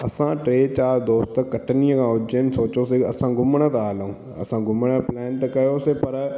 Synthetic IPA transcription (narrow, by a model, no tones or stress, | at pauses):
ɐsãʈɾeːt͡ɕaːɾd̪oːst̪kːɐʈʰəniə̃kʰãʊd͡ʒenɪ̆soːt͡ʃoseɐsãɡʊmɽ̃ət̪ɐaːlũː | ɐ̰sãɡʊmɽ̃əplɛːnt̪ɐkɐjosepɐɾ